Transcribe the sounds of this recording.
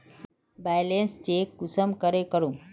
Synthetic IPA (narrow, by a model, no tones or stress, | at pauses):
bajlenst͡ʃekusəmkəɾekəɾũ